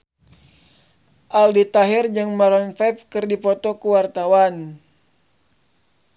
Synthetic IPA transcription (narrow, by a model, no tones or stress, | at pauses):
ʔaldit̪aɦɪrd͡ʒɨŋmaɾɔnfɛpkɨrdipɔt̪ɔkuwart̪awan